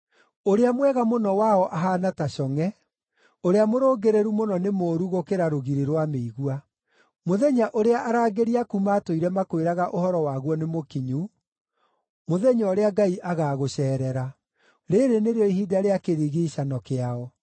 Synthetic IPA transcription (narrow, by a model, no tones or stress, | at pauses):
oɾeamwɛɣamonɔwaɔʔaɦaːnataɕɔŋɛ | oɾeamoɾoːɡeɾeɾumonɔnemoːɾuɣokeɾaɾoɣiɾeɾwameiɣwa | moðɛɲaʔoɾeaʔaɾaːɡeɾiakumaːtoiɾɛmakoeɾaɣaʔohɔɾɔwaːɣwɔnemokiɲu | moðɛɲɔɔɾeaɡaiʔaɣaːɣoɕɛːɾɛɾa | ɾeɾeneɾeɔiɦidaɾeakeɾiɣiɕanɔkeaɔ